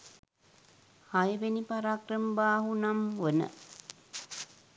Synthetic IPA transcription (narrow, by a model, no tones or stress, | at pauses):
hajəʋenipaɾaːkrəmbaːɦunamʋənə̰